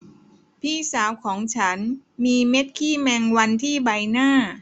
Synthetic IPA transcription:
pʰiː˥˩saː˩˦wkʰɔː˩˦ŋt͡ɕʰa˦˥nmiː˧me˦˥t̪̚kʰiː˥˩mɛː˧ŋwa˧nt̪ʰiː˥˩ba˧jnaː˥˩

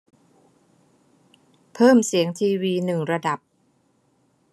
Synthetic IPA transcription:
pʰɤː˥˩msi˩˦əŋt̪ʰiː˧wiː˧nɯ˨˩ŋɾa˧da˨˩p̚

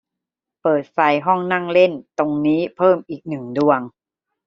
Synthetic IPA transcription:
pɤː˨˩t̪̚fa˧jɦɔ˥˩ŋna˥˩ŋle˥˩nt̪o˧ŋniː˦˥pʰɤː˥˩mʔiː˨˩k̚nɯ˨˩ŋdu˧əŋ

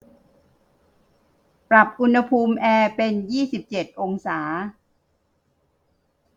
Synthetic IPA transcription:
pɾa˨˩p̚ʔu˧nha˧pʰuː˧mʔɛː˧pe˧njiː˥˩si˨˩p̚t͡ɕe˨˩t̪̚ʔo˧ŋsaː˩˦

